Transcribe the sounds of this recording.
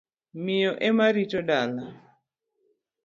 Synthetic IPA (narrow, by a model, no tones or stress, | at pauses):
mɪjɔʔemaɾitodala